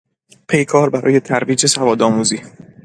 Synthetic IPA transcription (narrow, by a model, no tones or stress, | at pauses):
pʰe̞jkʰɒːɾbæɾɒ̰ːje̞t̪ʰæɾviːd͡ʒe̞sævɒːd̪ɒːmuːziː